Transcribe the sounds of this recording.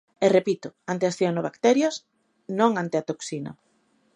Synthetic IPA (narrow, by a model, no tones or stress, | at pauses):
erepit̪ʊant̪easθjonoβakt̪ɛɾjas | nõŋant̪eat̪oksino̰